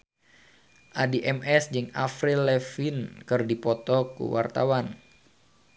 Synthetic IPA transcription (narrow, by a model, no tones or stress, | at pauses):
ʔadiʔɛmɛsd͡ʒɨŋafɾilɛfinkɨrdipɔt̪ɔkṵwa̰rt̪awan